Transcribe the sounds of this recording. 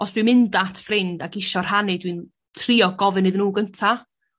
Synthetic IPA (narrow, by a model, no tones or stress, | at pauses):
ɔsd̥wimɪndatʰfrɪndaɡɪʃɔr̥hanɨdwin | tʰriːɔɡɔvɨnɨðnuːɡəntʰa